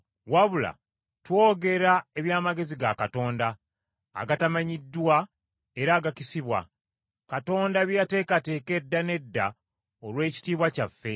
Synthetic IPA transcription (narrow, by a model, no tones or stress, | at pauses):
waβula̰ | two̞ːɡe̞ɾae̞βjaːmaɡe̞ziɡakato̞ːnda̰ː | ɡatamaɲidːwa | e̞ɾaːɡacisiβwa̰ | kato̞ːndaβjate̞ːkate̞ke̞dːane̞dːa | olwe̞ːci̥tiːβwacafːe̞